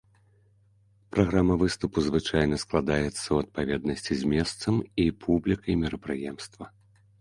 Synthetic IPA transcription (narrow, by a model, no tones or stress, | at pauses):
pɾʔaɣɾamɐvɨst̪upuzvɨt͡ʂajnɐsklˠad̪ajɛt̪sːɐuɐt̪̚pavʲɛd̪nɐsʲt͡sʲizʲmʲɛst̪sɐmipʰublʲikɐjmʲɛɾɐpɾɨjɛmst̪vɐ